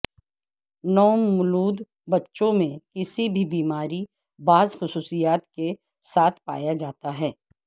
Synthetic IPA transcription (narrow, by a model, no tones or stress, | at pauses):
nɔːmʊluːd̪ | bɐtːʃõmẽkɪsibʱibiːmaːɾi | baːzxʊsuːsijaːt̪ke | saːt̪ʰpa̰ːjad͡ʒaːt̪aɦɛː